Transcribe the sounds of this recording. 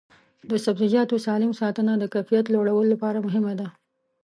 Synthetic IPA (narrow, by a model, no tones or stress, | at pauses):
d̪əsabzid͡ʒɑt̪osɑlɪmsɑt̪ənad̪əkajfijat̪loɽawəlolapɑɾamʊɦɪmad̪a